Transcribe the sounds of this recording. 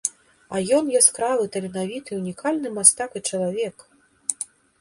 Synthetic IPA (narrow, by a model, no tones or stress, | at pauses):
ɐjɔnjasʲkɾavɨt̪ɐlʲinavʲit̪ɨunʲikalʲnɨmast̪akɨt͡ʂɐlˠavʲɛk